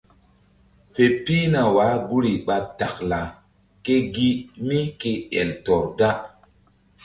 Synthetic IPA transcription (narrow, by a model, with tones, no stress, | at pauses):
fe˨piː˦na˨waː˨˦ɡu˦ɾi˨ɓa˧t̚ta˨kla˨ | ke˦ɡi˦mi˦ke˦ɛ̰˨ltɔ˨ɾɡa˦